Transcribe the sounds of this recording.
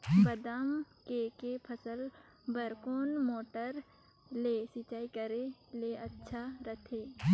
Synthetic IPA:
bəd̪am | kekepʰəsəl | bəɾkoːnmoːʈəɾ | lesɪt͡ʃaːikəɾeleɐtːʃʰaɾət̪ʰeː

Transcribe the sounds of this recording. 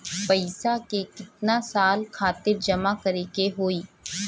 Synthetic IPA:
pɐɪsakekɪt̪nasaːlkʰaːt̪ɪɾd͡ʒɐmakɐɾekeɦoːiː

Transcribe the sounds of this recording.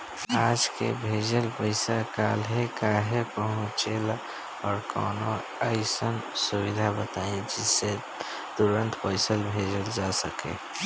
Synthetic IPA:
aːd͡ʒkḛbʱed͡ʒəlpəɪsakaːlɦekaɦekəɦũt͡ʃel | ɔːɾkɔ̰ːno | əɪsənsuwid̪ʱabət̪aːẽd͡ʒɪsːe | t̪uɾə̃nt̪ʰpəɪsəlbʱeːd͡ʒəld͡ʒasəkḛ̃ː

